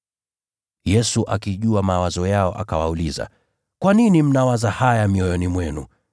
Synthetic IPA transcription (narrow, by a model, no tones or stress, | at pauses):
jɛsuʔakiʄuamawazɔjaɔʔa̰kawauliza̰ | kwaninim̩nawazahajamiɔjɔnimwɛnu